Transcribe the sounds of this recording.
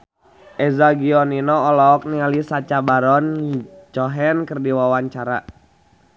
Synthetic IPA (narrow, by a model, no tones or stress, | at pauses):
ʔɛzaɡiɔninɔːlɔːk̚nialisat͡ʃabaɾɔnt͡ʃɔɦɛnkərdiwawaɲt͡ʃaɾa̰